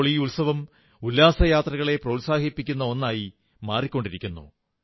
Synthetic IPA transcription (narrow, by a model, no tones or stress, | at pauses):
ɭiuɭsɐʋɐm | ulːaːsɐjaːt̪rɐɣɐɭe̞prɐulsaːhipːikʲːunːɐo̞nːaːji | maːrikʲːo̞ɳɖiɾikʲːunːṵ